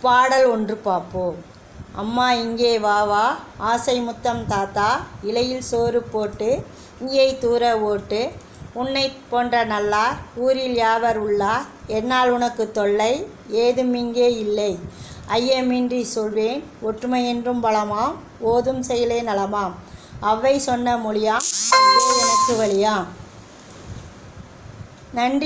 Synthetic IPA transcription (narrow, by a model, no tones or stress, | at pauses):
paːɽɐlɔndrɯpaːpːoː | ɐ̰mːaːɪŋɡeːʋaːʋaːaːsɐɪmʊt̪ːɐmt̪aːt̪ːaːɪlɐjɪlsoːɾɯpːoːʈːɯ | ɪŋɡɐɪt̪uːɾɐoːʈːɯ | ʊnːɐɪpːoːndrɐnɐlːaːuːɾɪljaːʋɐɾʊɭːaːɛnːaːlʊnɐkːɯt̪ɔɭːɐɪ | eːðɯmɪŋɡeːɪlːɐɪʔɐjːɐmiːndrisɔlʋeːn | ɔʈrɯmɐjɛndrɯmpɐɭɐmaːm | oːðɯmsɛjɐleːnɐlɐmaːm | ɐʋːɐɪsɔnːɐmʊɭɪjaːmðɯɛnɐkːɯʋɐɭɪjaːm | nɐɳɖ